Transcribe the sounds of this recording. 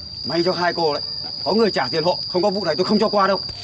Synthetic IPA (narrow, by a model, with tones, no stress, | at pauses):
ma˧jt͡ɕɔ˧ɦaː˧jko˧la̰˧˨j | kɔ˨˦ŋɨ˨˩əjt͡ɕaː˧˩zḭ˨ənho̰˧˨xə˧wŋ͡mkɔ˨˦vṵ˧˨na˨˩jt̪o˧jxə˧ŋ͡mt͡ɕɔ˧kwaː˧ɗə˧w